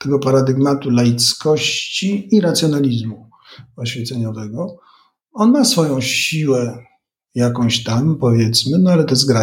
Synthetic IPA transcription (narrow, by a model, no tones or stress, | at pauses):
t̪ɛɡɔpaɾad̪ɘɡmat̪ulajit̪skɔɕt͡ɕiːɾat̪sʲjɔnalʲizmu | ɔɕfʲɛt̪sɛɲɔvɛɡɔ | ɔnmasfɔjɔ̃w̃ɕiwɛ | jakɔ̃w̃ɕt̪ampɔvʲjɛt̪smɘnɔalɛt̪ɛzɡɾa